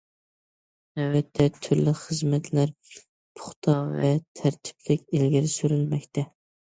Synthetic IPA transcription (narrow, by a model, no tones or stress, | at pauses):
æwɛt̪ʰːɛt̪ʰːyɾlɪχəzmɛt̪ʰlæɾ | pʰʊ̥χt̪ʰɑvɛ̰t̪ʰæɾt̪ʰɪ̥plɪkʲelɡʲɪɾɪsyɾylmɛkʲt̪ʰɛ